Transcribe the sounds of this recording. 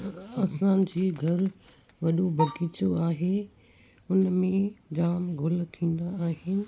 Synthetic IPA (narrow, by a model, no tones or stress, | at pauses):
ɐsãd͡ʑiːɡʱɐɾ | ʋɐɗobʱɐɡiːt͡ɕoaːɦe | ʊnmẽd͡ʑaːmɡʱʊl̆t̪ʰĩːn̆d̪aːɦɪnɪ̆